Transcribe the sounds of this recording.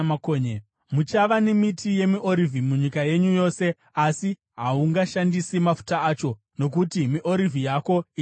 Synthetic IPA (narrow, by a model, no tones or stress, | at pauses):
koɲ | mut͡ʃaʋanemitʰije̞miʔoɾivʱimuɲikaje̞ɲujo̞ːse̞ | asi | ɦauŋɡaʃandisimafu̥taːt͡ʃo̞ | no̞k̬utimiʔo̞ɾivʱijako̞i